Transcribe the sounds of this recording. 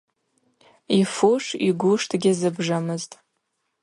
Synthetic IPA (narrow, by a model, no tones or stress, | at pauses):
ifuʂiɡʷʊʂtʰɡʲɪzɨbʐamɨztʼ